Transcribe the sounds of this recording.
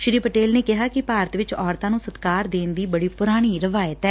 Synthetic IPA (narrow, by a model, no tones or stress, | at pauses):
ʃɾiːpəʈeːlneːkɪɦaːkɪpaːɾət̪ʋɪt͡ʃɔːɾt̪ãːnũːsət̪kaːɾd̪eːnd̪iːbəɽiːpʊɾaːɽ̃iːɾəʋaːjət̪ɛː